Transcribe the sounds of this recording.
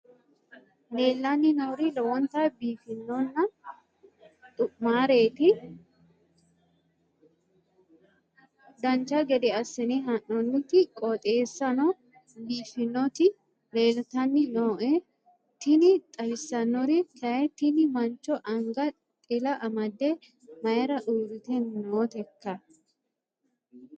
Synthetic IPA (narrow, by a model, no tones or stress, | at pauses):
le̞ːlːɐnːɪnoːɾɪlɔwɔnt̪abiːfɪnːɔnːɐ | t̪ʼʊʔmaːɾe̞ːt̪ɪ | d̪ɐnt͡ʃːɐɡɛd̪ɛɐsːɛneɦɐʔːɔnːɪt̪ɪkʼɔt̪ʼe̞ːsːɐnɔ | biːfɪnːɔt̪ɪ | leːlt̪ɐnːɪnoːʔɛ | t̪ɪnɪt̪ʼɐbɪsːɐnːɔɾɪk̪ʰɐɛt̪ɪnɪmɐnt͡ʃɔʔɐŋɡɐ | t̪ʼɪlɐʔɐmɐd̪ːɛ | mɐjɛɾɐʔuːɾɪt̪ɛnnoːt̪ɛkːɐ